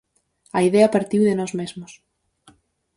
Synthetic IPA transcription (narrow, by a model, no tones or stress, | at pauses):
ɐiðeɐpaɾt̪iwðɪnɔzmezmʊs